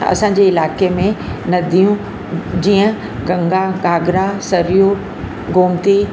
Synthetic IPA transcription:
ɐ̰sãːɲ̆d͡ʑeɪlaːkemẽnɐd̪ʱijũ | d͡ʑiːə̃ | ɡɐ̃ŋɡaɡaːɡɾasɐɾijo | ɡoːmt̪i

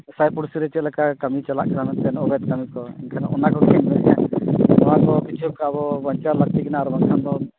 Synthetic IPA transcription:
sajpuɽsiɾɛt͡ʃɛt̪̚lɛkaʔkəmit͡ʃala̰ʔkaɾamɛnt̪ɛnɔɡɛt̪̚kəmikɔɛ̰nkʰanaʔɔnakɔkʰɛnbɛɾɛja̰nɔwakɔkit͡ʃʰuub̚kabɔbəɲt͡ʃaɾlək̚t̪ikɛnaːɾbaŋkʰand̪ɔ

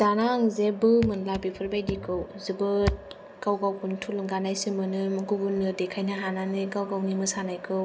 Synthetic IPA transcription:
z̥anaŋzebɯmɯnlabipʰɯɾbajdikʰɯwzɯbɯt̚ | ɡ̥awɡawkʰuntʰulŋɡanajsɯmɯnɯmɡuɡunɯdekʰajnaɦananɯɡawɡawnimɯsanajkʰɯw

